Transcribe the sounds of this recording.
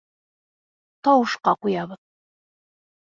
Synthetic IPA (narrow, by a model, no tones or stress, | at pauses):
t̪ɒwɤ̆ʃqɑqujɑβɤð